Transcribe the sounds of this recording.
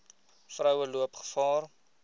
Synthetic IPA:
frəwwəluəpχə̥fɑːr

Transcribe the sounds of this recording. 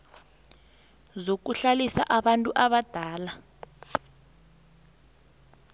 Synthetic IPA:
zok̬uɬalisa̰ʔaɓantʼuʔaɓad̥ʱaːla

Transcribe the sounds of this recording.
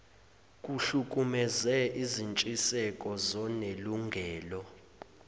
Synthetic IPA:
kʼuɬuk̬ʼumɛzɛʔizint͡ʃʼisɛkʼɔzɔneluŋɡʱɛːlɔ

